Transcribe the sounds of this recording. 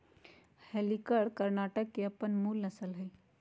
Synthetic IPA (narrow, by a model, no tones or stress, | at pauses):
hɛːlikəɽkəɾnaːʈəkːeɐpənmuːlnɐsəlɦɛː